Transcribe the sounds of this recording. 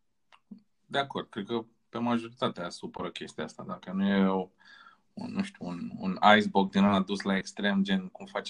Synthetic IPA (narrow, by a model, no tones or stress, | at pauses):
d̪eako̞rd̪̚kɾe̞d̪̚kə | pe̞maʒo̞ɾit̪at̪easupəɾəkʲe̞st̪iaa̰st̪ad̪akənujevaw | ṵnːuʃt̪ʲuːnṵnajsbok̚d̪inaad̪uslae̞kst̪ɾe̞md͡ʒe̞nkumfat͡ʃ